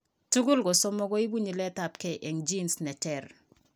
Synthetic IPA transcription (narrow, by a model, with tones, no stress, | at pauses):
tu˦ɡu˦lɡɔ˨sɔ˦mːɔ˦ɡɔ˦i˦bu˦ɲi˨lɛ˦ta˨p̚kɛ˨ʔɛ˨ŋd͡ʒi˦nsnɛ˨tɛɾ